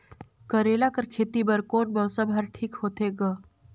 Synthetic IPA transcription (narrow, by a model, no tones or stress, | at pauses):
kəɾeːlakəɾkʰeːt̪ibəɾkoːnbɐwsəbɦəɾʈʰiːkhoːt̪eɡə